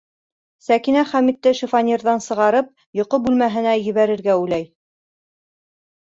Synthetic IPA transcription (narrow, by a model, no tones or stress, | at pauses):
sækinæχæmit̪ːɘʃifɑnʲirðɑnsɤ̆ʁɑɾɤp̚ | jŏqobʉlmæɦɘ̆næjɘ̆βæɾɘ̆ɾɡæʉlæj